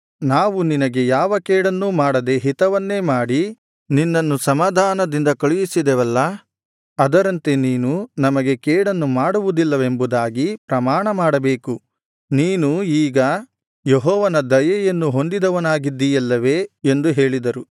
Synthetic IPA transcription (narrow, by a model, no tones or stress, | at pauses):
naːʋuninɐɡe̞jaːʋɐkɛːɽɐnːumaːɽɐd̪e̞ɦit̪ɐʋɐnːe̞ːmaːɽi | ninːɐnːusɐmaːd̪ʱaːnɐd̪ind̪ɐkɐɭijisid̪ɛʋɐlːɐ | ɐd̪ɐɾɐnt̪e̞niːnunɐmɐɡe̞kɛːɽɐnːumaːɽuʋud̪ilːɐʋe̞mbud̪aːɡipɾɐmaːɳɐmaːɽɐbe̞ːku | niːnuiːɡɐ | jeɦɔːʋɐnɐd̪ɐjɐjɐnːuɦo̞nd̪id̪ɐʋɐnaːɡid̪ːijɐlːɐʋe̞ːend̪uɦe̞ːɭid̪ɐɾu